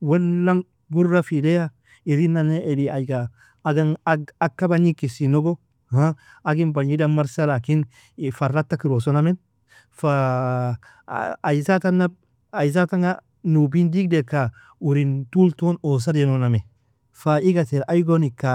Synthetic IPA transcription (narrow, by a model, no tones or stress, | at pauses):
wenːaŋ | ɡuɾːafileja | iɾinːaneediajɡaː | ɡaŋakːabaɲikːisinoɡo | ha | aɡinbaɲidamaɾsalakin | farːatːakiɾosonamen | fa | jsatanːab̚ | aiz̬ataŋa | nubindiɡdeka | uɾintultonos̬aɾjenoname | faiɡateɾʔajɡonika